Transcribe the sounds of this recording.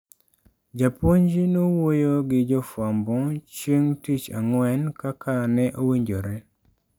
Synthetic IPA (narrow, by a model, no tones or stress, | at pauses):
d͡ʒapoɲd͡ʒinowojoɡɪd͡ʒɔfwambɔt͡ʃeŋtit͡ʃa̰ŋwɛnkakʰanɛʔowiɲd͡ʒoɾɛ